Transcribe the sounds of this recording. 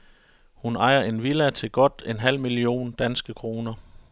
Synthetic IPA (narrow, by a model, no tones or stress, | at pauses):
hunɑ̈ɪɐʔe̝nʋilæt͡sʰe̝ɡ̥ɒ̽d̥enɦæl̰milio̝̰ːnd̥ænsɡ̥əkʰʁo̝ːnɐ